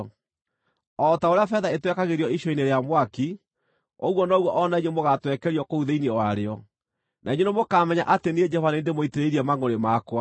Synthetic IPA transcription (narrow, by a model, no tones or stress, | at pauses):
ɔtaoɾeafɛðaetwɛkaɣeɾjɔiʃɔineɾeamwaki | o̰ɣwɔnɔɣwɔʔɔnaiɲemoɣatwɛkɛɾiɔkouðeiniwaɾeɔ | naiɲenemokamɛɲa̰ʔatenieɲd͡ʒɛhɔvanendemoiteɾeɾiɛmaŋoɾemakwa